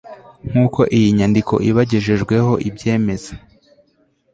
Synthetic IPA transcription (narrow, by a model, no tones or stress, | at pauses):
ŋ̥uːko̞ʔijiɲandikʰo̞̰ʔiβaɟeʒe̞ʒɡwe̞ho̞ʔibɟe̞ːme̞za